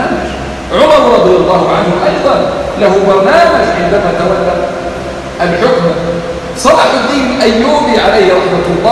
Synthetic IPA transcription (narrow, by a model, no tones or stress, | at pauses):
amaʃ | ʕʊmɑɾˤɾˤɑd̪ˤɨjalˤːɑːhʊʕanhʊʔɑjd̪ˤɑnlahʊbɑɾˤnaːmad͡ʒʕɪnd̪anat̪awat̪ːa | ʔalħʊkm | sˤɑɾˤɑːħad̪ːiːnʔajːuːbiʕalajhɾˤɑħmalˤːɑː